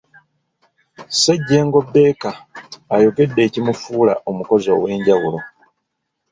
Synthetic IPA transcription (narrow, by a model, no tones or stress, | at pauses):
seɟːe̞ːŋɡo̞bːe̞ːkaːjoke̞dːe̞ːcimufuːla̰ʔomuko̞zo̞̰ːwe̞ːɲɟawulo̞